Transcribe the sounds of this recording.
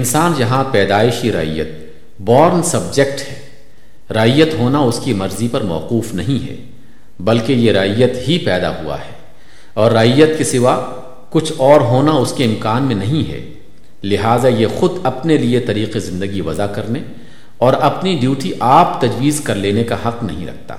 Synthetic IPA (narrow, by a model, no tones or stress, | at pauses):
ɪnsaːnjɐɦãpɛːd̪aːɪʃiɾɐ̰ɦḭjə̰t̪̚ | bɔːɾnsɐbd͡ʒekʈhɛː | ɾɐɦijət̪ɦoːnaʊskimɐɾzipɐɾmɔ̰ːquːfnɐɦĩɦɛ̰ː | bɐlkejeɾɐɦijːət̪ɦipɛːd̪a̰ɦṵa̰ɦɛː | ɔːɾːɐɦijːət̪kisɪʋa | kʊt͡ʃʰɔːɾɦoːnaʊskeɪmkaːnmẽnɐɦĩɦɛ̰ː | lɪɦaːzajexʊd̪ɐpneliet̪ɐɾiːqezɪ̃nd̪əɡiʋɐzakɐɾne | ɔːɾɐpniɖjuːʈiʔaːpt̪ɐd͡ʒʋiːzkɐɾleːnekahɐqnɐɦĩɾɐ̰k̚ʰt̪a̰ː